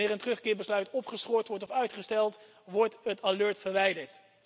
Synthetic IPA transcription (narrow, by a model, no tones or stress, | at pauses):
ɪːrəntərɵχkɪːɹbəslœɥtɔpχəsχɔɹtʋɔɹtɔfœɥtχəstɛlˠt | ʋɔɹtətalɵːɹtfəɹʋɛjdəɹt